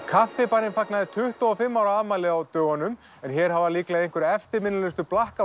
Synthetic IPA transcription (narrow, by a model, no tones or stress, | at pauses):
kʰafːɪpanɪnfaknaðɪt̪ʰʏht̪ɔɔfɪmːawɾaðmaːjlɪawt̪œːɣanʏm | ɛnçɛːɾ̥havaɾliːklajeŋ̥kʏɾɛft̪ɪmɪnːʏlɪst̪ʏplahka